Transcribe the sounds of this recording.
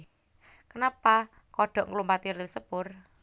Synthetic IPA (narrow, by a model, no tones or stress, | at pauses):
kənapa | kɔɖ̥ɔ̤ʔŋlumpat̪iɾisəb̥ʊr